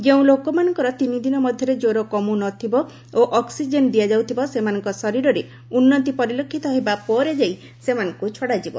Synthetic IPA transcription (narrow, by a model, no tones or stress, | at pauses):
d͡ʒeũlokɔmanɔŋkɔɾɔt̪inid̪inɔmɔd̪ʱjɔɾed͡ʒoɾokɔmunɔt̪ʰibɔ | oʔɔksid͡ʒend̪ijad͡ʒawt̪ʰibɔsemanɔŋkɔsɔɾiɾɔɾe | unːɔt̪ipɔɾilokʰːit̪ɔɦebapɔɾed͡ʒaj | semanɔŋkut͡ʃʰɔɽad͡ʒibɔ̰